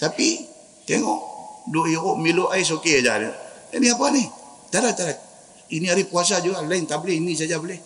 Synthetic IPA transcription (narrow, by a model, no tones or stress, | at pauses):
t̪api | t̪eŋɔ̰ʔdojiɣoʔmiloʔais̬okead͡ʒa̰nəaniapanih | t̪aɾat̪ːaɾat̪̚ | iniaɾikuas̬ad͡ʒuɡalaint̪aʔbəlehinis̬ad͡ʒabəlɛh